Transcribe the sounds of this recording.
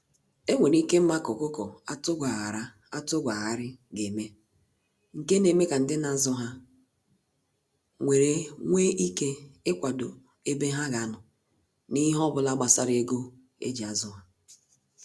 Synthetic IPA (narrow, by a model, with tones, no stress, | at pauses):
e˦ŋʷe˨ni˦ke˦m̩˦ma˦kɔ˨kʊ˦kɔ˨a˦tʊ˦ɡʷa˨a˨ɾa˦ | a˦tʊ˦ɡʷa˨ɦa˦ɾɪ˦ɡe˨me˦ | ŋ̩˨ke˦ne˨me˦ka˨n̩˨dɪ˦na˨zʊ˦ɦa˦ | ŋʷe˨ɾe˨ŋʷe˦ʔi˦ke˦ɪ˦kʷa˨do˨ | e˦be˦ɦa˦ɣa˨˦˨nʊ˨ | ni˦ɦɔ˦bʊ˨la˦ɡ͡ba˨sa˦ɾe˦ɡo˦ | ḛ˦d͡ʒi˨a˨zʊ˦ɦa˦